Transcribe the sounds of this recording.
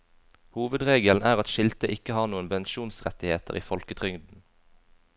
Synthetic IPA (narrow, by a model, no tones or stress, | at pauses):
huːʋəd̪ʁeːɡəln̩æːʁɑt̪ʃɪlt̪əʔɪkəhɑːʁnuːənpɛnʃuːnsʁɛt̪ɪheːt̪ə̰ʁḭːfɔlkət̪ʰʁʏŋd̪n̩